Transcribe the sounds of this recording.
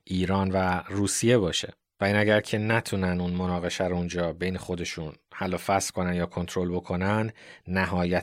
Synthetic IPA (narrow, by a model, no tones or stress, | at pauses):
ʔiːɾɒːnværuːsije̞bɒːʃe̞̰ | væinæɟæɾcʰe̞næt̪ʰuːnænunmo̞nɒːɣe̞ʃæɾund͡ʒɒːbe̞jne̞xo̞d̪e̞ʃunhælːɒːfæskʰo̞nænd̪jɒːkʰo̞nt̪ʰɾo̞lbo̞kʰo̞nænd̪næɦɒːjæ